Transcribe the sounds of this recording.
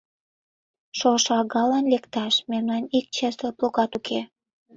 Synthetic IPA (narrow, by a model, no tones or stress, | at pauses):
ʃoʃɑɣɑlɑnlekt̪ɑʃmemnɑnik̚t͡ɕest̪oploɣɑt̪ukʰe